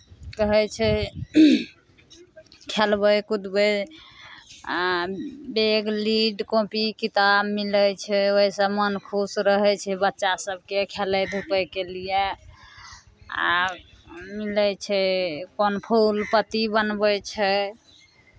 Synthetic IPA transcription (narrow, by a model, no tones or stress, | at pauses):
kəɦɛt͡ʃʰɛ | kʰelbəjkud̪bə | beɡliɖkõpikit̪abmilət͡ʃʰɛoisəmənkʰusɾəɦɛt͡ʃʰɛbətːʃasəb̚ʱkekʰeləd̪ʱopəjkelije | a̰ | milət͡ʃʰɛkonpʰulpət̪ibənbɛt͡ʃʰɛ